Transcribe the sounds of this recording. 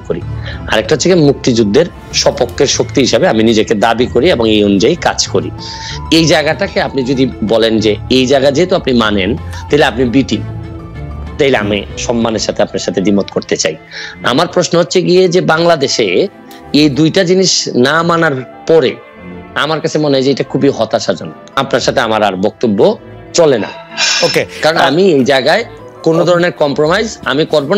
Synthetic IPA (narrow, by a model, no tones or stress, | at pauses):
koɾḭa̰ɾɛk̚ʈaɦot͡ɕːʰekemuk̚t̪id͡ʑud̪ʱːeɾ | ʃɔpokʰːeɾʃok̚t̪iɦiʃabeaminid͡ʑeked̪abikoɾieboŋejonud͡ʑajkad͡ʑkoɾḭ | ejd͡ʑaeɡaʈakeapnid͡ʑod̪ibɔlend͡ʑeejd͡ʑaeɡad͡ʑeɦet̪oapnimanent̪aɦileapnibiʈi | t̪aɦileamiʃɔmːaneɾʃat̪ʰeapnaɾʃat̪ʰed̪imot̪koɾt̪et͡ɕa̰j | a̰maɾpɾoʃnoɦotːɕʰeɡied͡ʑebaŋlad̪eʃe | ejd̪ujʈad͡ʑiniʃnamanaɾ | pɔɾḛ | amaɾkat͡ɕʰemoned͡ʑeejʈakʰubiɦɔt̪aʃad͡ʑon | apnaɾʃat̪ʰeamaɾaɾbɔk̚t̪obːo | t͡ɕolena̰okekaɾonamiejd͡ʑaeɡae | konod̪ʱɔɾoneɾkɔmpɾomajza̰mikoɾbo